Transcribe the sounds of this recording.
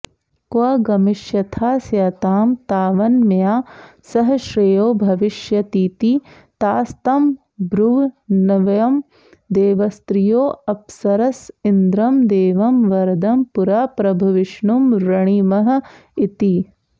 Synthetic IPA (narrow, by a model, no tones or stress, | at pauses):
kʋɐɡɐmiʃjɐt̪ʰaːsjɐːt̪aːmt̪aːʋɐnmjaːsɐɦɐʃɾejoːbʱɐʋɪʃjɐt̪iːt̪i | t̪aːst̪ɐm | bɾuʋnɐʋɐjɐm | d̪eːʋɐst̪ɾijoːɐpsɐɾɐsind̪ɾɐmd̪eːʋɐmʋɐɾd̪ɐmpuɾaːpɾɐbʱɐʋɪʃɳumɾɐɳ̃imɐɦɐ̆ | it̪i